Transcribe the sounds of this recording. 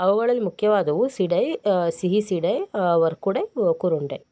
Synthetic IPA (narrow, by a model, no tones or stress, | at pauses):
ɐʋɐɡɐɭɐlːimukʰjɐʋaːd̪ɐʋusiɖɐjsiɦisiɽɐjʋɐɾkuɽekuɾuɳɖe